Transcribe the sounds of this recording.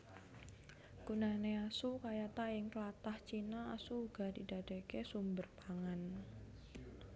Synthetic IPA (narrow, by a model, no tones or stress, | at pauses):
kunaneasukajat̪aɪŋkəlat̪aht͡ʃinaa̰suːɡ̥a̤didad̥e̤kesumbərpaŋan